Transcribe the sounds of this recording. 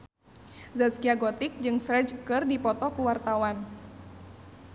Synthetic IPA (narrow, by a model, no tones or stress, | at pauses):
zaskiaɡɔt̪ɪk̚d͡ʒɨŋfɾɛd͡ʒkɨrdipɔt̪ɔkuwart̪awan